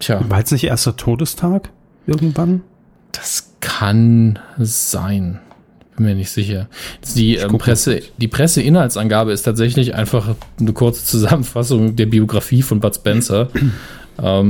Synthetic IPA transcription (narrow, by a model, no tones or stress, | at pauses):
jʰaːvaɛt͡snɪçʔḛːɐstɐtʰoːdəstʰaːk | ʔɪɐɡŋ̩tv̥an | d̥ḁskʰan | z̥a̰ɪn | ɪb̥ɪnmiːɐnɪçtz̥ɪçɐ̥d̥iːʔɛːpʁɛsəd̥iːpʁ̥ɛsəʔɪnhaltsanɡaːbəɪstʰaːtz̥ɛçlɪçʔa̰ɪnfaχnəkʰʊɐt͡sə̥t͡suzamənfas̬ʊŋdeːɐbioɡʁafiːfɔnbatsb̥ɛnsɐ | ʔɛːm